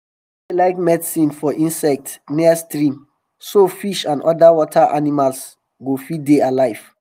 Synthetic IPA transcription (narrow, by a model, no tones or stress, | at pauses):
alaɪkmɛdsĩnfɔʔĩnsɛk̚tniastɹĩm | sofiʃãnɔdawɔtʰaʔanimals | ɡofidealaɪv̥